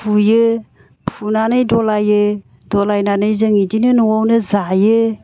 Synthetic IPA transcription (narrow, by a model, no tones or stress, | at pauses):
pʰujɯ | pʰunanɯjdɔlajɯ | dɔlajnanɯjzɯŋidinɯnuwawnɯzajɯ